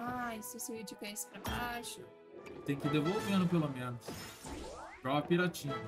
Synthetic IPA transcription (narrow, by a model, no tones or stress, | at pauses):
aiseseid͡ʒipɛsɪ̥pɾɐbaʃɐ | t̪ẽj̃kɪd̪evowvenʊpelomẽnʊs | pɾaɐpiɾat͡ʃĩɲɐ